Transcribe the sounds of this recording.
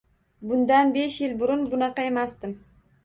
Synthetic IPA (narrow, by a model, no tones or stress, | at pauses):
bʊnd̪anbe̞ʃjɪlbʊɾʊnbʊnɑqɑe̞masd̪ɪm